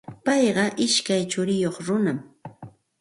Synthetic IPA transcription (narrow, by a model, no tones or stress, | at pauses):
pɑjɢɑʔɪʃkajt͡ʃʊɾɪjoχɾʊnam